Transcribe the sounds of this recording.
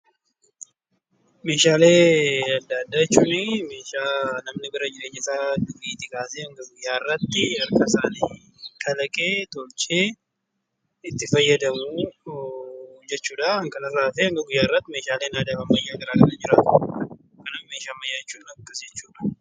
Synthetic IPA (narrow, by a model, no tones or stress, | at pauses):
me̞ːʃaːle̞ːɐd̪ːaːd̪ːaːɛt͡ʃːuːnɪme̞ːʃaːnɐmnɪbɪɾɐd͡ʒɪɾe̞ːɲːɐsaːd̪ʊɡiːt̪ːɪkaːseːɐŋɡɐɡʊjːaːɪrːɐt̪ːɪɐɾkɐsaːniː | kʰɐlɐkʼeːt̪olt͡ʃʼeː | ɪt̪ːɪfɐjːɐd̪ɐmuː | d͡ʒɛt͡ʃːuːᶑɐɐŋkɐlɐsaːfeɐŋɡɐɡʊjːaːɪrːɐt̪ːɪmeːʃaːle̞ːnaːd̪aɐmːɐjːaːkɐɾaːkʼɐnɐd͡ʒɪɾaːt̪ʊ | kɐnɐfmeːʃaːmːɐjːaːɛt͡ʃːuːnɐkːɐsd͡ʒɛt͡ʃːuːᶑɐ̥